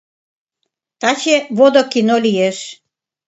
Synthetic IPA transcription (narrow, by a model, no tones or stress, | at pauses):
t̪ɑt͡ɕeβod̪okinolʲijeʃ